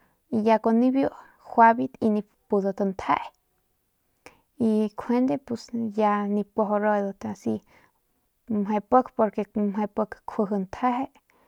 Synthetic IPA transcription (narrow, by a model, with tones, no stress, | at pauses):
i˧ja˧ko˧ni˦bju˦ʔ | xʷa˧bi˧t̪i˧nĩ˧ | pu˧d̪o˧t̪ə˧nt̪ʰa̰˦ʔ | i˧kʰwe˦nd̪e˧pu˧sja˧ni˧pʷo˧ɦo˧ɾo˧jd̪o˧t̪a˧si˧ | me˧pə˦kpo˧ɾke˧me˧pə˧kkʰə˧ɦɨ˧nt̪ʰa˦ɦe˦ʔ